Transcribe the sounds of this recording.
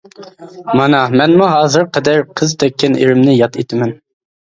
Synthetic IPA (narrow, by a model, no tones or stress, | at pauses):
mɑnɑmɛnmuɦɑːzɨɾqʰɛd̪æɾqʰəzt̪ʰɛkʲʰːɛnʔḛɾɪmnɪjɑt̪et̪ʰɪmɛn